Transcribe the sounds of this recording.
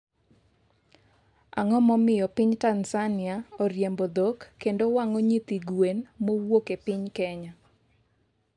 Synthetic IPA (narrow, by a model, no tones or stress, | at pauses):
a̰ŋɔmɔmɪjɔpɪɲtansanɪaɔɾjembod̪okːendowaŋɔɲit̪iɡwenmowokepɪɲkɛɲa